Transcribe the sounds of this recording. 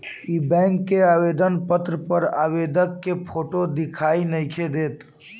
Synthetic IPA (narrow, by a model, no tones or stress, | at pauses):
ibɛ̃ŋkːeabed̪ənpət̪ɾəpəɾa̰bed̪əkːepʰoʈod̪ikʰainəjkʰed̪eːt̪